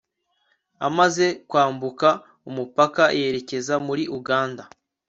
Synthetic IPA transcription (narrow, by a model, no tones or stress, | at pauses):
a̰maze̞kwaːmbuka | umupakaje̞ɾe̞ce̞zamuɾiʔuɡaːnda